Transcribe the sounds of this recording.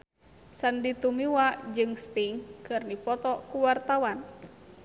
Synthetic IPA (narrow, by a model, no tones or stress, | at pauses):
sandit̪umiwad͡ʒɨŋst̪iŋkɨrnipɔt̪ɔkuwart̪awan